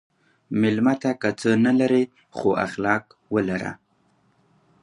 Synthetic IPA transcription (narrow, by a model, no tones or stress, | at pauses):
mɪlmat̪akat͡sənalaɾe | xoa̰xlɑk | wəlaɾa̰